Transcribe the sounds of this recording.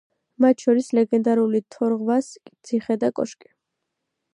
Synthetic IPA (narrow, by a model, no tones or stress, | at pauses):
mat̪ʰʃɔɾislɛɡɛnd̪aɾulit̪ʰɔɾʁvaskʼt̪sʰiχɛd̪akʼɔ̰ʃkʼi̥